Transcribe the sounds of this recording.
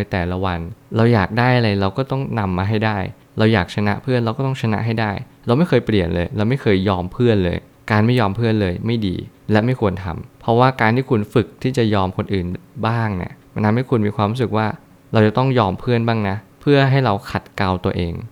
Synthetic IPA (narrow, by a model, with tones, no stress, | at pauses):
nː˧jt̪ɛː˨˩la˦˥wa˧nɾa˧wjaː˨˩k̚daː˥˩jʔa˧ɾa˧jɾa˧wkɔː˥˩t̪ɔ˥˩ŋna˧mːaː˧ɦa˥˩jdaː˥˩j | ɾa˧wjaː˨˩k̚t͡ɕʰa˧na˦˥ʔpʰɯ˥˩ənɾa˧wkɔː˥˩t̪ɔ˥˩t͡ɕʰa˧na̰˦˥ʔɦa˥˩jdaː˥˩j | ɾa˧wma˥˩jkʰɤː˧jpli˨˩ənlɤː˧jɾa˧wma˥˩jkʰɤː˧jːɔː˧mpʰɯ˥˩ənlɤ̰ː˧j | kaː˧nma˥˩jːɔː˧mpʰɯ˥˩ənlɤː˧jma˥˩jdḭː˧lɛ˦˥ma˥˩jkʰu˧ənt̪ʰa̰˧mpʰɔ˦˥waː˥˩kaː˧nt̪ʰiː˥˩kʰu˧nfɯ˨˩k̚t̪ʰiː˥˩t͡ɕa˨˩jɔː˧mkʰo˧nʔɯː˨˩nbaː˥˩ŋnḭ˦˥˩əmaː˧ntʰa˧mha˥˩jkʰu˧nmiː˧kʰwaː˧mɾu˦˥sɯ˨˩k̚waː˥˩ | ɾa˧wt͡ɕa˨˩t̪ɔ˥˩ŋjɔː˧mpʰɯ˥˩ənbaː˥˩ŋna˦˥pʰɯ˥˩ɐɦa˥˩jɾa˧wkʰa˨˩t̪̚ka˧wt̪u˧ɐəʔeː˧ŋ